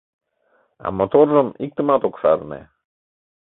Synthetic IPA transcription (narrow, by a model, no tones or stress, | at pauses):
a̰mot̪orːəmik̚t̪əmat̪okfaɾnḛ